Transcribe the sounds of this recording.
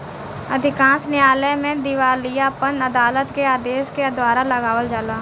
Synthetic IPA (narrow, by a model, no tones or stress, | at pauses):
əd̪ʱɪkãːnsnɪaːlɛmẽd̪ɪʋaːlijapənəd̪aːlət̪keaːd̪eːʃkeɐd̪ʋaːɾaləɡaːʋəld͡ʒaːlaː